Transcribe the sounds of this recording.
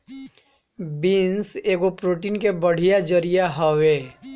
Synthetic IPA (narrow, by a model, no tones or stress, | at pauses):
binseːɡopɾoːʈiːnkebəɽ̤ijad͡ʒəɾijaɦəʋe